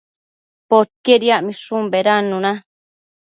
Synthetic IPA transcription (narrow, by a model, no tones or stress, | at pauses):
pot̪̚keɾiaʔmĩʂumbeɾanːuna